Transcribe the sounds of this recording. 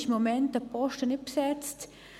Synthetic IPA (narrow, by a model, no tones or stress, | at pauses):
çmomɛnt̪ɐpɔʃtənɪpsɛt͡st